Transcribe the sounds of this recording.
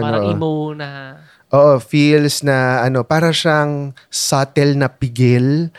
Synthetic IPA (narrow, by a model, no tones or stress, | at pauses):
noʔʔomunɐ | ʔoːʔo̞filsnɐʔɐno̞paːɾɐʃaɐŋ | saːt̪ɛlnɐpɪɡɪl